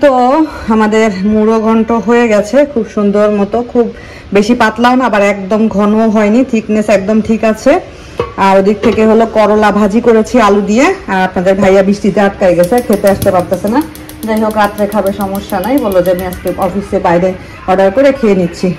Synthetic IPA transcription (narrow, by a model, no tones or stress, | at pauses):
t̪oamad̪eɾmuɾoɡʱɔɳʈoɦoeɡɛt͡ɕʰekʰubʃund̪oɾmɔt̪okʰubː | eʃipat̪lawnabaɾɛkd̪omɡʱɔnoɦɔenit̪ʰiknesɛk̚d̪omʈʰikat͡ɕʰe | aɾod̪ik̚t̪ʰekeɦolokɔɾolabʱad͡ʑikoɾet͡ɕʰialud̪ijeaɾapnad̪eɾbʱajabɾiʃʈit̪eat̪̚kajɡɛt͡ɕʰekʰet̪eaʃt̪ebap̚t̪at͡ɕʰena | d͡ʑanoɡat̪ɾekʰabeʃɔmoʃːanajbolod͡ʑamiaʃkeɔfisebajd̪e | ɔɖaɾkoɾekʰeenit̪ːɕʰi